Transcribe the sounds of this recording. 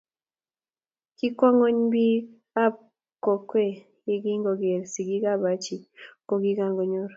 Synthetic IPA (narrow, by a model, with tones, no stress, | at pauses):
ki˦kwa˦ŋo˦ɲbi˦ | a˦p̚ | kɔ˨kwe˦ | i˨ɡi˦ŋɡo˨ɡe˨ɾsi˨ɡi˦ɡa˦ba˨t͡ʃi˨ko˨ɡi˦ɡa˦˨ŋɡo˨ɲo˦ɾ